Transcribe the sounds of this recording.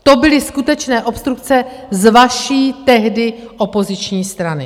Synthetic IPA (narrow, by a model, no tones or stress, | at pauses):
t̪o̞bɪlɪskut̪ɛt͡ʃnɛːʔo̞pst̪ɾuk̚t͡sɛzvaʃiːt̪ɛɦdɪʔo̞po̞zɪt͡ʃɲiːst̪ɾanɪ